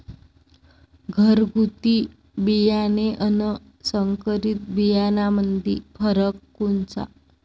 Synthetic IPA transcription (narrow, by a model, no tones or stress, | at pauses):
ɡʱəɾɡʱut̪i | bijaneʔənə | səŋkəɾit̪̚bijanamənd̪ʱḭfʰəɾəkːunt͡sa̰